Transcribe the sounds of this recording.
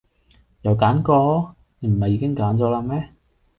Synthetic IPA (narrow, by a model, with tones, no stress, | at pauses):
jɐ˨wkaː˨˥nkɔː˧˥ | ne˨˧m̩˨˩hɐ˨jːiː˨˧kɪ˥ŋkaː˨˥nt͡sɔː˨˥laː˧mɛː˥